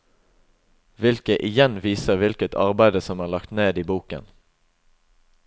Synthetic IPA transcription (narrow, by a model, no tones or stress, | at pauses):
ʋɪlkəʔɪjɛnʋiːsəʁʋɪlkət̪ʰɑ̰ʁbæɪd̪əsɔmæːʁlɑkt̪neːd̪iːbuːkə̰n